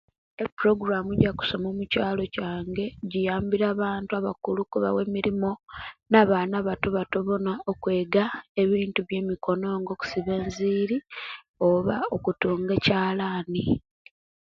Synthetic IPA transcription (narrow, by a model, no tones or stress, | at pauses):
epuɾo̞ɡuɾamuɟaku̥so̞moːmucaːlo̞caːŋɡe̞ɟijaːmbiɾaːβaːntuaβakulukuβa̰we̞miɾimo̞naβaːnaβatoβatoβo̞naʔokwe̞ːɡae̞βiːntuβje̞ːmiko̞no̞ːŋɡo̞ku̥siβe̞ːnziːɾi | o̞βaokutuːŋɡecaːlaːni